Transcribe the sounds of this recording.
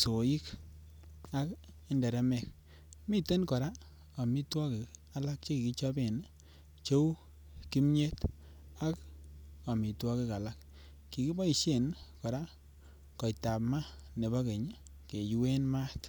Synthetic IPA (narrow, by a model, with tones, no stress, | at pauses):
so˨i˦k | a˦k | e˦ndɛ˨ɾɛ˦mɛ˨k | mi˦te˦nkɔ˨ɾa˦ | a˨mi˦twɔ˦kɪ˨ka˨la˦k̚t͡ʃe˦ki˨ki˦t͡ʃɔ˦be˨n | t͡ʃo˦w | ki˦mɲe˦t | a˦ka˨mi˨twɔ˦kɪ˦ka˨la˦k | ki˨ki˦bɔ˦i˨ʃe˦˨nkɔ˨ɾa˦ | kɔ˨jta˨pma˦ne˨bɔ˦ke˨ɲ˦ | ke˨jwe˦nma˦t